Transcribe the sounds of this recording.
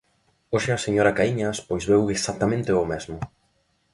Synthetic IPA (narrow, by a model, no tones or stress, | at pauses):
oʃɪɐseɲoɾɐkaiɲɐspojzβeweksak̚t̪amẽnt̪ɪomɛzmʊ